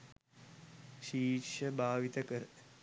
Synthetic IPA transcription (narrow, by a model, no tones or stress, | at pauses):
ʃiːʃəbʱaːʋit̪əkəɾə